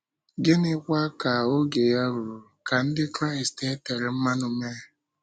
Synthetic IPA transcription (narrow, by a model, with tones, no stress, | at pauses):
ɡɪ˦nɪ˦kʷa˦ka˨o˦ɡe˨ja˦ɾu˨ɾu˨ka˨n̩˦dɪ˦kɾa˦i˨ste˦te˨ɾɪ˨m̩˦ma˦nu˨me˦